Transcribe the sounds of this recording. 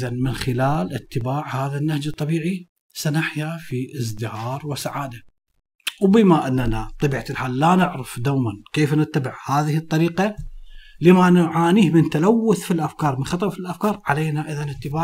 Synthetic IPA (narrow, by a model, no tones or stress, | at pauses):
ðanmɪnxɪlaːlʔɪt̪ːɪbaːʕhaːðanːahd͡ʒɨt̪ˤːɑbiːʕi | sanaħjafiʔɪs̬d̪ɪhɑːɾˤwɪsaʕaːd̪a | wbɪmaʔɪnːanat̪ˤɑbiːʕalħaːlːanɪʕɾafd̪awmankeːfnɪt̪ːabɪʕhaːðɪhɨt̪ˤːɑɾiːqa | lɪmanʊʕaːniːhmɪnt̪alawːʊθfilʔafkɑːɾˤmɪnxɑt̪ˤɑwfilʔafkɑːɾˤʕaleːnaʔɪðanɪt̪ːɪbaː